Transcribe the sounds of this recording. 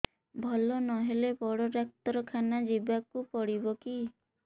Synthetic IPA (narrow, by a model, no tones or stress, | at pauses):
bʱɔlɔnɔɦelebɔɽɔɾak̚t̪ɔɾɔkʰanad͡ʒibakupɔɽibɔki